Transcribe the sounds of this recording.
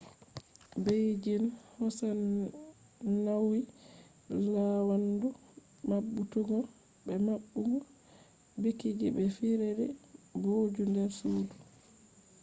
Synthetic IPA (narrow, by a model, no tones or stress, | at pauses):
bejd͡ʒinhɔsa | nawi | lawandu | maɓːutuɡɔ | bɛmaɓːuɡɔ | bikid͡ʒibɛfiɾɛɾɛboːd͡ʒundɛɾsuːdu